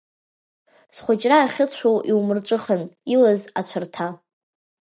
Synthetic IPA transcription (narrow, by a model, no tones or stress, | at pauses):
sχʷat͡ʃʼraːχʲɪt͡ɕʷʰowʔiwmɨrʈ͡ʂʷʼɨχənilaza̰t͡ɕʷʰartʰa